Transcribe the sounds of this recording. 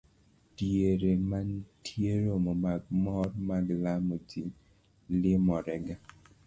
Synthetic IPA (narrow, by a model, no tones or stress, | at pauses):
tieɾemantʰjeɾomɔmaɡmɔrmaɡlamotin | lɪmɔɾɛɡa